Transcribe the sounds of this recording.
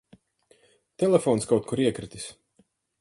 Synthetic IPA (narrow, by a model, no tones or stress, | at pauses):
t̪ɛlɛfoːnskawt̪̚kuɾiɛkɾit̪ʲi̥s